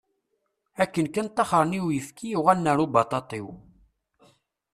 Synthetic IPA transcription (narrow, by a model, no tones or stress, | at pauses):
ækːənkənt̪ːɑχəɾˤniwjəfkʰijuʁænːəɾubɑt̪ˤɑt̪ˤiw